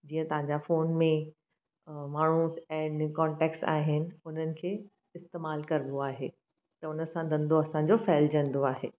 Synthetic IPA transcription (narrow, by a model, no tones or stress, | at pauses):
d͡ʑiːə̃t̪ɐʋ̤ãɲd͡ʑafoːnmẽ | maːɳ̤ũɛ̃ːnkɔːɳʈɛːksa̰ːɦɪnɪ̆ʊn̤ənɪ̆kʰeː | ɪst̪eːmaːlkɐɾɪnd̪oaːɦeː | t̪ɐʊnə̆sãd̪ɐ̃nd̪oɐsãɲd͡ʑofɛɦld͡ʑɐ̃nd̪oaːɦeː